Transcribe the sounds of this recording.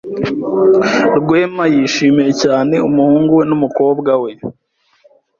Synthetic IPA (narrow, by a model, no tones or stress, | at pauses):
ɾɡwe̞ːmajiːʃiːmije̞caːne̞umuhuːŋɡuwe̞numuko̞ːbɡawe̞